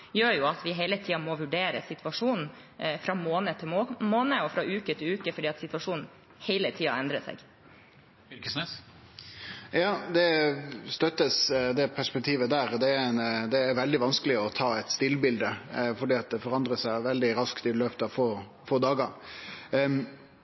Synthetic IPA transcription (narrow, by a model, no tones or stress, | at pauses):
jøːjʊɑt̪ʋɪɦeɪlət̪ʰiːɑmɔʋʉɖeːɾə̰sɪt̪ʋɑʂuːnn̩ | fɾɑmoːnət̪ʰɪlmoːnəɔfɾɑʔʉːkət̪ʰɪlʉːkəfɔɖiːɑt̪sɪt̪ʋɑʂuːnn̩ | hɛɪlət̪ʰiːɑ̰ɛnd̪ɾəsɛ̰ɡ | ksɛ | jɑːd̪ɛst̪œt̪ːəsd̪ɛpʰæʂpɛk̚t̪ʰiːʋəd̪æːɾd̪ɛnd̪ɛːɾʋɛld̪ɪʋɑnskəlɪɔt̪ʰɑːɛt̪st̪ɪlːbɪld̪əfɔɖiːɑt̪̚d̪ɛfɔɾɑnd̪ɾəsæɪʋɛld̪ɪɾɑskt̪ɪløːpət̪ɑʋfoː | foːd̪ɑːɡəɾ